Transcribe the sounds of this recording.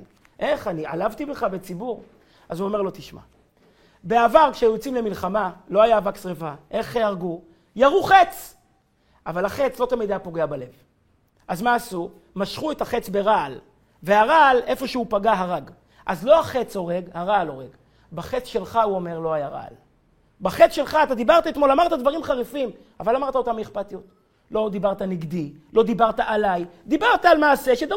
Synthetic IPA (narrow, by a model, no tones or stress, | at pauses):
ʔe̞χanialavt̪ibeχabet͡sibuʁ | azuo̞me̞ʁlo̞t̪iʃma̰ | be̞avaʁkʃejot͡simle̞milχamalo̞ajavaksʁevaʔe̞χaʁɡu | jaʁuχe̞t͡s | avalaχe̞t͡slo̞t̪amid̪ejapoɡe̞abale̞v | ʔazmaːsu | maʃχuet̪haχet͡sbe̞ʁal | ve̞aʁale̞fo̞ʃeupaɡaɦaʁaɡ | ʔazlo̞aχe̞t͡so̞ʁe̞ɡhaʁalo̞ʁe̞ɡ | baχet͡sʃe̞lχauo̞me̞ʁlo̞ajaʁa̰l | baχet͡sʃe̞lχaːt̪ad̪ibaʁt̪ait̪mo̞lamaʁt̪ad̪vaʁimχaʁifim | avalamaʁt̪aot̪amieχpat̪ijot̪ | lo̞d̪ibaʁt̪aniɡd̪i | lo̞d̪ibaʁt̪aʔalajd̪ibaʁt̪aːlmaːse̞ʃed̪